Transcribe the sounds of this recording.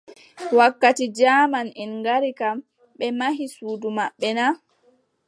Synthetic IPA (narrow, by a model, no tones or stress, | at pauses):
wakːatid͡ʒaːmanɛnŋɡaɾikam | ɓɛmaɦisuːdumaɓːɛna